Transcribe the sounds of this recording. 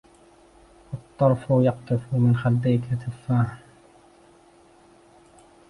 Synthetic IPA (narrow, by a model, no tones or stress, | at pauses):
ʔɑt̪ˤːɑɾˤfʊjɑq̚t̪ˤɨfmɪnxald̪ajːkat̪ʰafːaːhn